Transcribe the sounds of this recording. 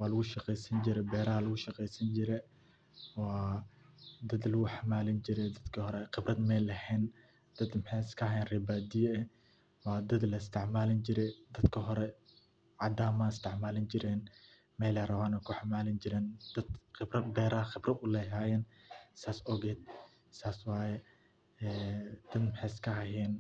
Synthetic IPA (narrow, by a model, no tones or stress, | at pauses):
wɑːlɐɣʊʃɐqɛjsɐnd͡ʒɪɾɛbɛːɾɐhɐlɐɣʊʃɐqɛjsɐnd͡ʒɪɾɛ | wɑː | d̪ɐd̪lɐɣʊħamaːlɪnd͡ʒɪɾɛd̪ɐd̪kʰɐɦɔɾɛqɪbɾɐd̪mɛlɐhɛːn | d̪̥ɐd̪mħɛskʰɐɦɐjɛnrɛːbaːd̪ɪjɛɛ | wɑːd̪ɐd̪lɐɪst̪ʰɪʕmaːlɪnd͡ʒɪɾɛd̪ɐd̪kʰɐɦɔɾɛ | ʕad̪aːmaːɪst̪ʰɪʕmaːlɪnd͡ʒɪɾɛn | mɛjlɐɾɐwaːnɛkʰʊħamaːlɪnd͡ʒɪɾɛːnd̪̥ɐd̪qɪbɾɐbɛːɾaːxɪbɾɐʊlɛɦaːjɛnsaːsɔɡɛːd̪̚ | saːswaːjɛ | ɛd̪̥ɐd̪mħɛskʰɐɦɐjɛn